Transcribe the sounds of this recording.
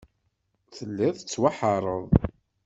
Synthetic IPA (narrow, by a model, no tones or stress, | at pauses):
θəlːiðət͡sːwaħɑɾˤəðˤ